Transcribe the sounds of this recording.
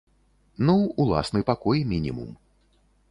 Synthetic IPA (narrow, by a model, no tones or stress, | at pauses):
nuulˠa̰snɨpakɔjmʲinʲḭmṵm